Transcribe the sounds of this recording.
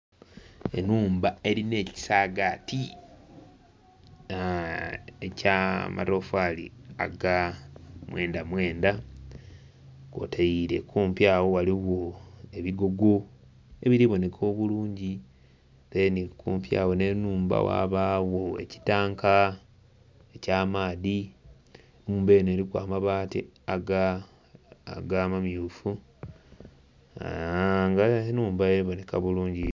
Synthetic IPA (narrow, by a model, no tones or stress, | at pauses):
ḛnuːmbae̞ɾine̞ːci̥saːɡaːti | ecamʔa̰ɾofaːlḭa̰ɡamwe̞ːndamwe̞ːnda | ko̰tʰejiɾe̞kuːmpjaːwo̞waliwoe̞βiɡo̞ɡo̞ | eβiɾiβo̞ne̞kʰo̞ːβuluːɲɟi | ɾenikuːmpja̰ːwo̞nenuːmba̰wa̰ːβaːwoḛci̥taːŋka | ecaːmaːði | nuːmbeneːɾikwa̰ːmaβaːtḭaɡa | aɡaːmamjuːfu | a̰ŋɡanuːmbaeɾiβo̞ne̞kaβuluːɲɟi